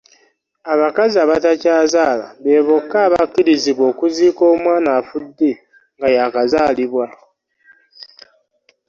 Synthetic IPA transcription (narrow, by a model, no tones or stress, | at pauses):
aβakaziaβatacaːzaːla̰βe̞ːβo̞kːaːβakːiɾiziβwo̞ːkuziːko̞ːmwaːnaːfudːe | ŋɡajakazaːliβwa